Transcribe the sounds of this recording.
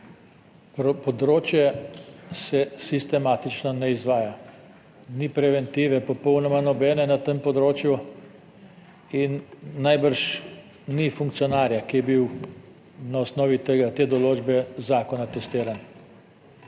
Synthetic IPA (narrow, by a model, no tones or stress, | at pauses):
pɾpɔd̪ɾoːt͡ʃjɛ | sɛsist̪ɛmaːt̪it͡ʃnɔnɛizʋaːja | nipɾɛʋɛnt̪iːʋɛpɔpɔwnɔmanɔbɛːnɛnat̪əmpɔd̪ɾoːt͡ʃju | inːajbəɾʃ | nifuŋkt̪sijɔnaːɾjakijɛbiw | naɔsnɔːʋit̪eɡat̪eːd̪ɔloːd͡ʒbɛzaːkɔnat̪ɛst̪iːɾan